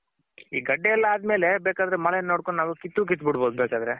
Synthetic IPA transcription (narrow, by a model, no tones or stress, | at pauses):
iːɡɐɖːeɛlːɐaːd̪meːlebeːkaːd̪ɐɾemɐlɛnnoːɽkoɳnaːʋukit̪ːuːk̬it̪ːbiɽboːd̪ubeːkaːd̪ɐɾe